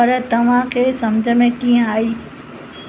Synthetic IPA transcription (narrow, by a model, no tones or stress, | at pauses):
ɐɾt̪ɐʋ̤ãkʰeːsɐmd͡ʑʱəmẽkĩːə̃aːiː